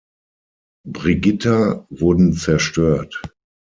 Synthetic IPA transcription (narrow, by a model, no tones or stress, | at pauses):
bʁɪɡɪtʰavʊɐdn̩t͡sɛɐʃtøːɐt